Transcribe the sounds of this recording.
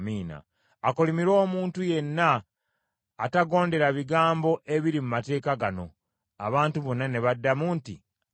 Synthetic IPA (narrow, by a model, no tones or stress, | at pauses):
miːna̰ː | kolimiɾo̞ːmuːntuje̞nːaː | taɡo̞ːnde̞ɾaβiɡaːmbo̞ʔe̞βiɾimumate̞ːkaɡano̞ | a̰βaːntuβo̞nːane̞βadːamuːntḭ